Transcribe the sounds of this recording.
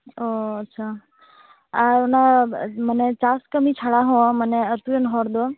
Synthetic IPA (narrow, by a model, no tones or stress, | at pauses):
oətːʃʰa | aɾonamənet͡ʃaskəmit͡ʃʰaɭaɦõməneət̪ujənɦɔɾd̪o